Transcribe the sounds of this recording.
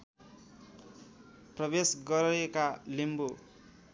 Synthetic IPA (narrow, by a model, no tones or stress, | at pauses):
prʌbesɡʌɾekalimbo